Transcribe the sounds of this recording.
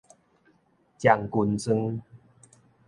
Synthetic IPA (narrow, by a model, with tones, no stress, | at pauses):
t͡ɕja˨˩ŋku˧˩nsɨ˧ŋ